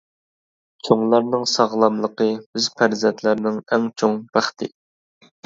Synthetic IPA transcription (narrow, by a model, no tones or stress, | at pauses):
t͡ʃʰoŋlˠɑɾnɨŋsɑʁlˠɑmlˠəqəbɪzpʰæɾzɛnt̪ʰlæɾnɪŋɛŋt͡ʃʰoŋbæχt̪ʰɪ